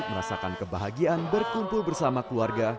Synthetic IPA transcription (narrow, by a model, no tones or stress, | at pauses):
məɾa̰sakankəbaɦaɡianbərkumpulbərsamakluarɡa